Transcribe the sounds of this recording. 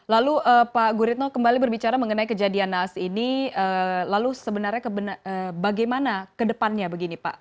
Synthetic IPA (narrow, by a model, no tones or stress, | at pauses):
laluəpaɡuɾit̪̚nokəmbalibərbit͡ʃaɾaməŋənaikəd͡ʒadianasiniəlalusəbənarɲakəbənaəbaɡajmanakədəpanɲabəɡinipa̰ʔ